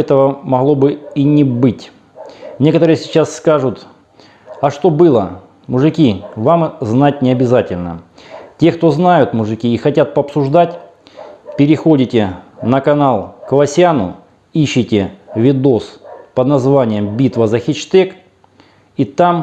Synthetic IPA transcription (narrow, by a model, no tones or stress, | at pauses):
ɛt̪əvəmɐɣlˠo̞bɨinʲɪbɨtʲ | nʲe̞kət̪əɾɨjəsʲɪ̥t͡ɕasːkaʐʊt̪ | ɐʂt̪o̞bɨlˠə | mʊʐɨkʲivamznat̚ʲnʲɪɐbʲɪzatʲɪlʲnə̰ | tʲe̞xt̪o̞znajʊt̪mʊʐɨkʲiːxɐtʲat̪̚pɐːpsʊʐd̪atʲ | pʲɪɾʲɪxo̞dʲɪtʲɪnəkɐnalˠkvɐsʲɪanʊ̰ | iɕːɪtʲɪvʲɪd̪ospəd̪nɐzvanʲɪjəmbʲit̪vəzɐxʲɪt͡ɕt̪ɛk | it̪am